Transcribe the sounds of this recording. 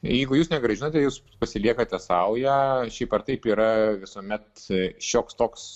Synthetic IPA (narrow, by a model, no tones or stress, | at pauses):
jɛɪɡʊjuːsnʲɛɡɾɐʒʲɪnɐt̪ʲɛjuːs | pɐsʲɪlʲiɛkɐt̪ʲɛsɐʊjæːʃʲɛɪpɐrt̪ɐɪpiːɾɐʋʲɪsoɔmʲɛt̪ʃʲoːkst̪oːks